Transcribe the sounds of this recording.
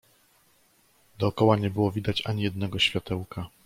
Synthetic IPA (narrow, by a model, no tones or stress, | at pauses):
d̪ɔːkɔwaɲɛbɘwɔvʲid̪at͡ɕaɲijɛd̪nɛɡɔɕfʲjat̪ɛwka